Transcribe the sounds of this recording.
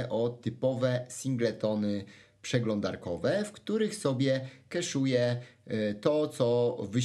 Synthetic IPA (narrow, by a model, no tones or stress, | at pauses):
ʔɔt̪ɘpɔvɛsʲiŋɡlɛt̪ɔnɘ | pʂɛɡlɔnd̪a̰ɾkɔvɛfkt̪uɾɘxsɔbʲjɛkɛʂujɛ | t̪ɔt̪sɔvɘ